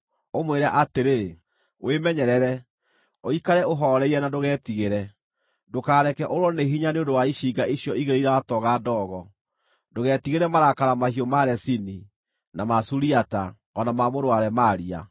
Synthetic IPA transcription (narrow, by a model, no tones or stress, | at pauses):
omweɾaʔateɾe | wʔemɛɲɛɾɛɾɛ | oikaɾɛoɦɔɾɛiɾɛnadoɣɛːtiɣeɾɛ | dokaːɾɛkɛʔoɾwɔneɦiɲaneondowaiɕiːɡaʔiɕjɔiɣeɾeiɾawatɔɣaːdɔːɣɔ | doɣɛːtiɣeɾɛmaɾakaɾamahiɔmaɾɛsini | namasuɾiata | ɔnamamoɾoaɾɛmaɾia̰